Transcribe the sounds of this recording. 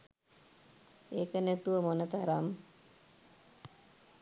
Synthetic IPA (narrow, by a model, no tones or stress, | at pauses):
eːkənæt̪uʋəmonət̪aɾam